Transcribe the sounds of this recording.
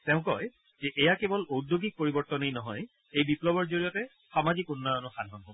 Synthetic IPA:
tɛʊ̃kɔj | zɛʔɛjakebɔlodoɡik̚poɹibɔɹtɔnejnɔɦɔj | ejbiplɔbɔɹzoɹijɔtɛ | xamazikʊnːɔjɔnɔxanɦɔnɦob

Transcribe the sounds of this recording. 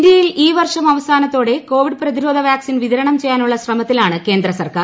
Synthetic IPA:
nd̪jɐjiliːʋɐrʂɐmɐʋɐsaːnɐt̪ːo̞ːɽe̞ko̞ːʋiɖprɐðiɾo̞ːd̪ʱɐʋjaːksinʋiðɐɾɐɳɐmt͡ɕe̞jːaːnuɭːɐsrɐmɐt̪ːilaːɳɨke̞ːnd̪ɾɐsɐrkaː

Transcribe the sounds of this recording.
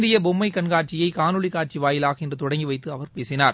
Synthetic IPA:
d̪ɪjɐbɔmːɐɪkːɐɳɡaːʈ̚t͡ʃɪjɐɪkaːnɯɭikːaːʈ̚t͡ʃiʋaːjɪlaːɣɐɛndrɯt̪ɔɽɐŋɡiʋɐɪt̪ːɯɐʋɐɾpeːsɪnaːɾ

